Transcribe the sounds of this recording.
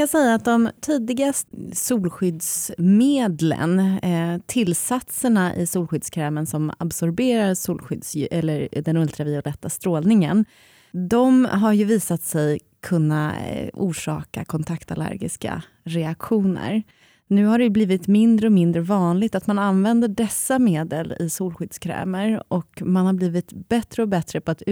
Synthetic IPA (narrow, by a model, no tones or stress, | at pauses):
asɛjːaːt̪̚d̪ɔmt̪ʰiːd̪ɪɡassuːlɧʏd̪smeːd̪lə̰nt̪ʰɪlsat̪səɳaʔɪ̰suːlɧʏd̪skʰɾɛːmənsɔma̰bsɔɾbeːɾaɾsuːlɧʏd̪sʔɛlːəɾd̪ɛnɵlt̪ɾavɪɔlɛt̪ːast̪ɾoːlnɪŋən | d̪ɔmɦaɾjɵviːsat̪sɛj | kʰɵnːaṵːʂɑ̰ːka̰kʰɔnt̪ʰakt̪alæ̰ɾɡɪ̰ska̰ | ɾɛakɧuːnə̰ɾ | nʉ̟ːɦaɖɛjbliːvɪt̪mɪnd̪ɾəɔmɪnd̪ɾəvɑːnlɪɡ̚t̪at̪mananvɛnd̪əɖɛsːameːd̪əlɪ̰suːlɧʏd̪skʰɾɛ̰ːməɾʔɔkmanhaɾbliːvɪt̪bɛt̪ɾəɔbɛt̪ɾəpʰɔat̪